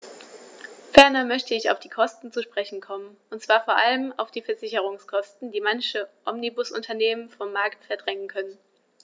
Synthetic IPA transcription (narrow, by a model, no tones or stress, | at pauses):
fɛɐnɐmœçtəɪça̰ʊfd̥iːkʰɔstn̩t͡suʃpʁ̥ɛçn̩kʰɔmənʔʊntt͡sv̥aːɐfoːɐʔaləma̰ʊfd̥iːfɛɐzɪçəʁ̞ʊŋskʰɔstn̩d̥iːmançəʔɔmnibʊsʔʊ̰ntʰɐneːmənfɔmːaɐktfɛɐdʁɛŋənkʰœnən